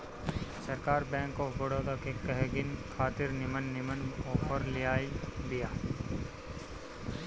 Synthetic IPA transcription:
sɐɾkaːɾbɛ̃ːŋkɔːbɐɽot̪akekɐɦɡɪnkʰaːt̪ɪɾnɪmənːɪmənɔːpʰəɾlɪjaːid̪ijaː

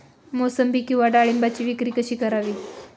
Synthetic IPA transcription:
mosəmbikːĩw̃ʋaɖaɭimbat͡ɕiːʋikɾiːkəɕiːkəɾaʋiː

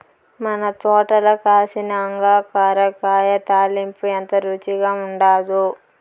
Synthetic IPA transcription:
mɐnɐt̪ɔːʈɐlɐkaːsinɐɐŋɡaːkaːɾɐkaːjɐt̪aːlimpuɐnt̪ɐɾut͡ʃiɡaːuɳɖaːd̪u

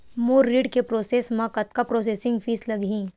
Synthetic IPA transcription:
moːɾːiːɖkepɾoːseːsmãkɐt̪̚kapɾoːseːsɪ̃ŋɡfʰiːslɐɡʱĩː

